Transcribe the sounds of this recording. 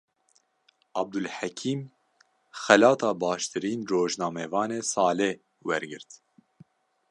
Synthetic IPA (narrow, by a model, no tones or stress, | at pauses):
ɑb̚d̪ulħækʰiːm | xɛlɑːt̪ʰɑːbɑːʃt̪ʰɨɾiːnroːʒnɑːmɛvɑːneːsɑːle | wɛɾɡɨɾt̪